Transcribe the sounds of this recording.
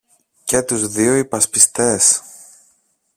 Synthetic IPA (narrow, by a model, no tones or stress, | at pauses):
cet̪uzðioipɐspist̪e̞s